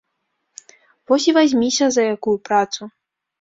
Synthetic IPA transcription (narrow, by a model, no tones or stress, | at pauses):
vɔsʲivazʲmʲisʲɐzɐjakujupɾat̪su